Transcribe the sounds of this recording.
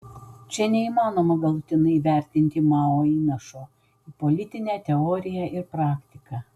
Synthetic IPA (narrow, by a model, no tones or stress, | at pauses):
t͡ʃʲɛnʲɛimɑːnoːmɐɡɐlˠʊt̪ʲɪnɐɪʋʲæˑɾʲt̪ʲɪnʲt̪ʲɪmɑːoːiːnɐʃoː | iːpɔlʲɪt̪ʲɪnʲæːt̪ʲɛɔːɾʲɪjɛʔɪɾpɾɑːkʲt̪ʲɪkɑ